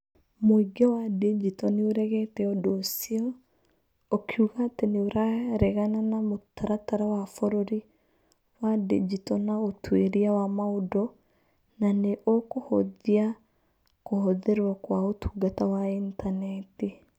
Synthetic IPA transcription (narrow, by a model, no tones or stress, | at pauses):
moiɡɛwadid͡ʒitɔneoɾɛɣɛtɛɔdɔsiɔ | okʰiuɣateneoɾaɾɛɣananamotaɾataɾawafɔɾoɾi | wadid͡ʒitɔnaotweɾiawamaodɔ | naneʔokohoðia | koɦoðɛɾwakwaotʰu̥ɡatawaintanɛti